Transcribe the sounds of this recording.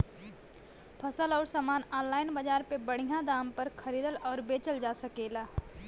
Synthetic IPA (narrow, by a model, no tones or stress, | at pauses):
pʰɐsəlɔːɾsaːmaːnɔːnlaːɪnbɐd͡ʒaːɾpebɐɽ̤̃ijãd̪aːmpɐɾkʰɐɾiːd̪əlɔːɾbeːt͡ʃəld͡ʒaːsɐkeːlaː